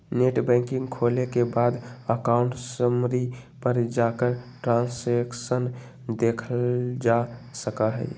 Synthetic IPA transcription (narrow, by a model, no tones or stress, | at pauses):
neʈbɛ̃ɪŋkɪ̃ŋɡkʰolekebad̪əkaʊɳʈsəmɾipəɾd͡ʒakəɾʈɾãnseksən | d̪ekʰəld͡ʒasəkəɦə̰j